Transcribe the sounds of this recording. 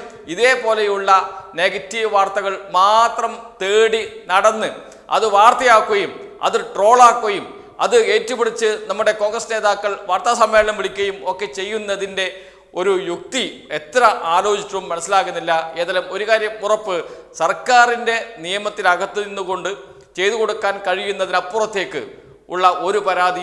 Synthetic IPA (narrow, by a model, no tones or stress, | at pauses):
iðe̞ːpo̞ːlejuɭːɐne̞ːɡɐtːijɐʋaːrt̪ɐɣɐɭmaːt̪rɐmt̪eːɽinɐɽɐnːɨ | ɐ̰ðɨʋaːrt̪ɐjaːkːuɣɐjumɐ̰ðiʈro̞ːɭaːkːuɣɐjum | ɐ̰ðɨe̞ːtːupiɽit͡ɕːɨnɐmːuɽe̞koːŋɡrɐsne̞ːðaːkːɐɭʋaːrt̪ɐsɐmːe̞ːlɐɳɐmʋiɭikʲːuɣɐjumo̞kːe̞t͡ɕe̞jːunːɐðinde̞ | o̞ɾujuk̚t̪ie̞t̪ːɾɐʔaːlo̞ːt͡ɕitːrɐumːɐnɐsːilaːkːunːilːɐe̞ːðɐlumo̞ɾukaːɾjɐmurɐpːɨsɐrkaːrinde̞nijɐmɐt̪ːilɐɡɐt̪ːɨninːuko̞ɳɖɨ | t͡ɕe̞jðukoɽukːaːnkɐɻijunːɐðinɐpːurɐt̪ːe̞ːkːɨ̰ | ṵɭːɐʔo̞ɾupɐɾaːd̪i